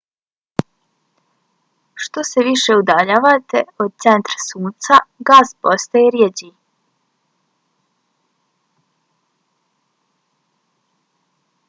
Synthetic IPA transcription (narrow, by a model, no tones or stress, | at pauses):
ʃt̪o̞seʋiʃe̞ud̪aʎaːʋat̪eod̪̚t̪se̞nt̪ɾasuːnt̪saɡaːspost̪ajeɾjed͡ʑi